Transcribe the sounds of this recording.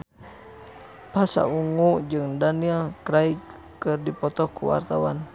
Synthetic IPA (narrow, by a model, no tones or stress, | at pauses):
pasa̰uŋud͡ʒɨŋdanilkɾai | kɨrdipɔt̪ɔkṵwa̰rt̪awan